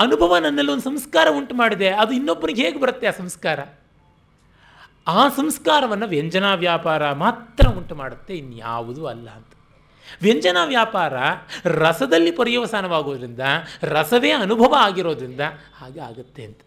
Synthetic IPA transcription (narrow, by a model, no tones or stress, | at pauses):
ɐnubʱɐʋɐnɐnːɐlːiond̪usɐmskaːɾɐuɳʈmaːɽid̪e̞ɐd̪uinːobːɐniɡeɦeːɡebɐɾɐt̪ːeaːsɐmskaːɾɐ | aːsɐmskaːɾɐʋɐnːɐʋjeɲd͡ʒɐnaːʋjaːpaːɾɐmaːt̪ːɾɐuɳʈmaːɽut̪ːe̞inːuja̰ːʋud̪uɐlːɐ̰ɐnt̪ɐ̥ | ʋjeɲd͡ʒɐnaːʋjaːpaːɾɐɾɐsɐd̪ɐlːipɐɾijɐʋɐsaːnɐʋaːɡo̞ːd̪ɾind̪ɐɾɐsɐʋeːɐnubʱɐʋɐaːɡiɾo̞ːd̪ɾind̪ɐ | aːɡa̰ːɡut̪ːe̞ɐnt̪ɐ̥